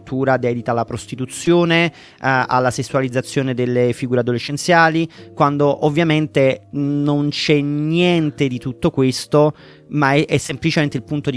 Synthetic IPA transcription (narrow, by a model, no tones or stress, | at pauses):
t̪ʰːuːɾad̪ɛːd̪it̪aːlːapɾost̪it̪ut̪sːjoːne | a̰lːasesːualid̪zːat̪sːjoːned̪elːefiɡuːɾead̪ːolet͡ʃːent̪sjaːlikwand̪oʔovːjament̪enont͡ʃɛnjɛnt̪ed̪it̪ut̪ːokwest̪o | maɛʔɛsːemplit͡ʃement̪eilpunt̪od̪